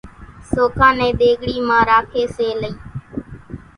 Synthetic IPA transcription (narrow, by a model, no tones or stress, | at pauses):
soːkʰãːnɛ̃ːɗ̪eːɠɽiːmãːɾaːkʰeːseːləĩː